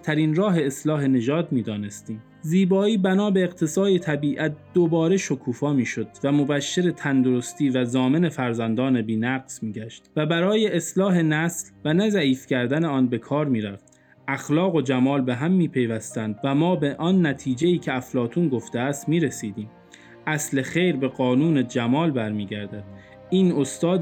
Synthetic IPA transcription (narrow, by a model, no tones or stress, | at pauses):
t̪ʰæɾiːnɾɒːɦe̞ːslɒːɦe̞ne̞ʒɒːd̪miːd̪ɒːne̞st̪iːm | ziːbɒːiːbænɒːbe̞eqt̪ʰe̞sɒːje̞t̪ʰæbiːʔæt̪̚d̪̥o̞bɒːɾeʃo̞kʰuːfɒːmiːʃo̞d̪væmo̞bæʃːe̞ɾet̪ʰænd̪oɾost̪iːvæzɒːme̞ne̞fæɾzænd̪ɒːne̞biːnæɡz̥miːɟæʃt̪væbæɾɒːjeʔeslɒːɦe̞næslvænæzæiːfcʰæɾd̪æneɒːnbe̞kʰɒːɾmiːɾæf | ʔæxlɒːɣo̞d͡ʒæmɒːlbe̞ɦæmːiːpʰe̞jvæst̪ænd̪væmɒːbe̞ʔɒnːæt̪ʰiːd͡ʒeiːcʰe̞æflɒːt̪ʰuːnɡo̞ft̪eæst̪miːɾesiːd̪iːm | ʔæsle̞xe̞jɾbe̞ɣɒːnuːne̞d͡ʒæmɒːlbæɾmiːɟæɾd̪æd̪̥ | ʔiːno̞st̪ɒːd̪